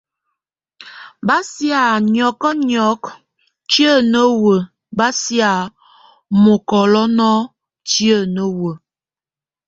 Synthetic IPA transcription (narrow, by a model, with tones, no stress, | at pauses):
ba˦sja˨ɲɔ˨kɔ˦ɲɔ˨˦k | t͡ʃjə˦˨nə˦wə˨ | ba˦sja˨ | mo˨kɔ˨lɔ˦nɔ˦ | tjə˦˨nə˦wə˨